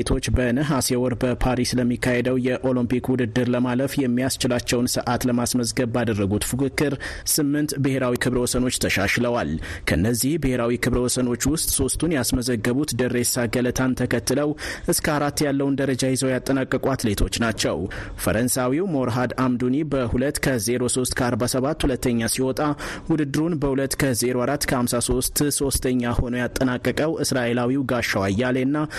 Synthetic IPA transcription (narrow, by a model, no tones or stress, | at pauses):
t̪ʰo̞t͡ʃːbənɨɦasewɔɾbəpʰaɾisləmːikʰːahed̪əwjɛʔo̞lɨmpikwʊd̪ɨd̪ːɨɾləmaləfjɛmːijast͡ʃɪlat͡ʃːɛwnsɨʔat̪ləmasməzɡəβːad̪ərːəɡut̪fukɨkːɨɾsɨmːɨnt̪bɨhe̞ɾawikʰɨβɾwɔsəno̞t͡ʃːt̪ʰəʃaʃləwalkʰəɨnːəzːihbɨhe̞ɾawikʰɨβɾəwɔsəno̞t͡ʃːwʊst̪ʼso̞st̪ʰunjasməzəɡːəβut̪d̪ɨresaɡələt̪ʰant̪ʰəkʰət̪ːɨləwʔɨskʰəaɾat̪ːjalːəwund̪əɾəd͡ʒajɪzəwjat̪ʼːənakʼːəkʼwat̪le̞t̪ʰo̞t͡ʃːnat͡ʃːɛ̰wfə̰ɾənsawiwmo̞ɾɦad̪amd̪unibəhulət̪ːkʰəze̞ɾo̞so̞st̪kʰəaɾbasəβat̪ːhulət̪ːəɲːasiwɔt̪ʼawʊd̪ɨd̪ɨɾunbəhulət̪ːkʰəze̞ɾoaɾat̪ːkʰəhamsaso̞st̪so̞st̪ʰəɲːaho̞nojat̪ʼːənakʼːəkʼəwʔɨsɾaʔe̞lawiwɡaʃːawajːalenːa